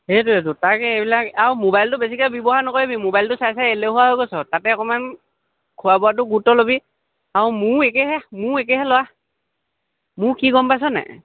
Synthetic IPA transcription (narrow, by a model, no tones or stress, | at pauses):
hetʊetʊtakɛebilakaɹumobajltʊbes̬ikabibɔɦanɔkojebimobajltʊsajsaeleɦʊwaɦojkɔsɔtatɛɔkɔman | kʰʊwabɔat̬ʊɡutɔlobi | aɹʊmʊɹekɛɦɛmʊɹek̬ɛɦɛlʊwa | mʊɹkiɡɔmpas̬ɔnɛ̰